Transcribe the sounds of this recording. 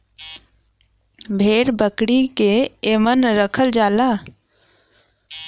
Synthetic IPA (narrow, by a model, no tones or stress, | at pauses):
bʱeːɾbəkɽikeeːmənɾəkʰəld͡ʒaːlaː